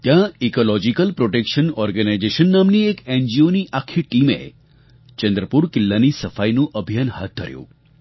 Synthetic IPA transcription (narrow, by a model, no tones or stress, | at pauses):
t̪jãikolɔd͡ʒikəlpɾoʈekʃənɔɾɡənajd͡ʒeʃənːamniekend͡ʒioniʔakʰiʈimḛ | t͡ʃə̃nd̪ɾəpuɾkɪlːanisəfajnũʔəbʱijanɦa̰t̪̚d̪ʱə̰ɾjṵ̃